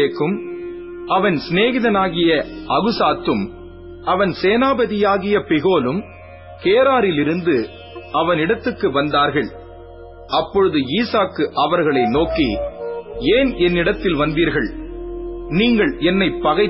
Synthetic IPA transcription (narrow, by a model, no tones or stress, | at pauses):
eːkːɯm | ɐʋɐnsneːɣɪðɐnaːɣɪjɐʔɐɣɯsaːt̪ːɯm | ɐʋɐnseːnaːbɐðɪjaːɣɪjɐpɪɣoːlɯm | keːɾaːɾɪlɪɾɯnd̪ɯ | ɐʋɐnɪɽɐt̪ːɯkːɯʋɐnd̪aːɾɣɐɭ | ɐpːɔɻɯðɯiːsaːkːɯʔɐʋɐɾɣɐɭɐɪnoːkːḭ | eːnʔɛnːɪɽɐt̪ːɪlʋɐnd̪iːɾɣɐɭ | niːŋɡɐɭɛnːɐɪpːɐɣɐɪ